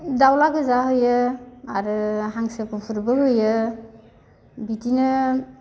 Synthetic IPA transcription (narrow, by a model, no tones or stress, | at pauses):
dawlaɡɯzaɦɯjɯaɾɯɦaŋsɯkʰupʰuɾbɯɦɯjɯ | bitinɯ